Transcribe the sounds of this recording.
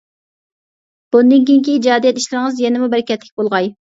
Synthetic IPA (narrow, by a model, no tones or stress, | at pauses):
b̥und̪ɨŋkʲeŋkʲid͡ʒɑːd̪ijɛt̪i̥ʃlɪɾɪŋɨzjɛnɪmubɛɾɪkʲɛt̪lɪk̚ʲbolˠʁɑj